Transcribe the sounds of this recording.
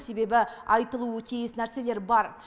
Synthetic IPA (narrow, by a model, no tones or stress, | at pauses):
se̞be̞bɪɑjt̪əlˠuət̪ʰijɪsnæɾse̞le̞ɾbɑɾ